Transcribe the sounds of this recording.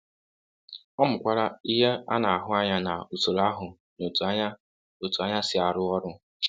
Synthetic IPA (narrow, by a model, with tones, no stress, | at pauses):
ɔ˦mʊ˨kʷa˦ɾa˦i˦ɦe˦a̰˦na˨a˨ɦʊ˦a˦ɲa˦na˨u˨so˨ɾa˦ɦʊ˨ | no˨tu˨a˦a˦ | o˨tu˨a˦ɲa˦sɪ˦a˨ɾʊ˦ɔ˦ɾʊ˦